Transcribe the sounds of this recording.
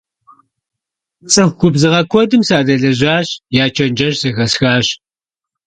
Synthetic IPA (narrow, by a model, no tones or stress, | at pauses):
t͡sʼɨxɡʷʊbzɨʁɐkʷʰɔdɨmsaːdɐɮɐʑaːɕjaːt͡ʃʰɐnd͡ʒɐʒsɐxɐsxaːɕ